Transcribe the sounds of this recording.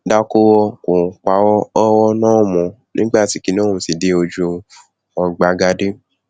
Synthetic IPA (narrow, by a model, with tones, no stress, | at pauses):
da˧ko˦wɔ˧kõ˨k͡pa˨˦wɔ˦ɔ˦wɔ˦nãː˦˨mɔ̃˨ | nĩ˦ɡ͡ba˦˨ti˨˦ki˦nã˦˨ũ˨si˨de˧˦o˧d͡ʒu˧ | ɔ̃˧ɡ͡ba˧ɡa˧de˦